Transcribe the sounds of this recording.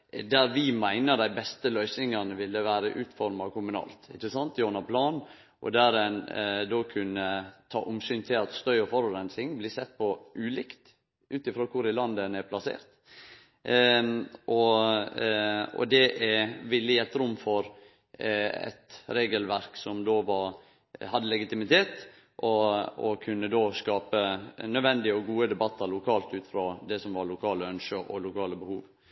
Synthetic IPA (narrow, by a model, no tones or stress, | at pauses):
d̪æɾʋɪmæɪnəd̪æɪbɛst̪əlœʏsɪŋɑnəʋɪlːəʋæːɾəʔʉːt̪fɔɾmɑʋkʰʊmʉnɑ̰ːlt̪ɪt͡ʃːəsɑnt̪joːnɑpʰlɑːn | ʔɔ̰d̪æɾɛnd̪okʰʉnːət̪ʰɑ̰ːʔʊmsyːnt̪ʰɪlɑt̪st̪œʏɔfɔɾʊɾɛnsɪŋblɪsɛt̪̚ːpʰɔʔʉːlɪkt̪ | ʔʉːt̪ɪfɾoːkʰʊɾɪlɑnd̪ənɛɾpʰlɑsḛːɾt̪ | ʔɔ | ɔ̰d̪ɛʔɛʋɪlːɪæt̪ɾʊmːfɔɾ | ɛ̰t̪ɾeːɡəlʋæɾksɔmd̪oːʋɑɾ | hɑd̪ːəlɛɡɪt̪ɪmɪt̪ʰeːt̪ | ʔɔɔkʰʉnːəd̪oːskɑːpənœʋɛnd̪ɪəɔɡuːəd̪ɛbɑt̪ʰːɑɾlʊkʰɑːlt̪ʉːt̪ɪ̥fɾoːd̪ɛsɔmʋɑɾlʊkʰɑːləœnʃəʔɔ̰lʊkʰɑːləbəhuːʋ